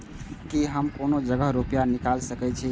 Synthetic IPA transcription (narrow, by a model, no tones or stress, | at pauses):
kiɦəmkonod͡ʒəɡəɦɾopijanikalsəkɛt͡ʃʰi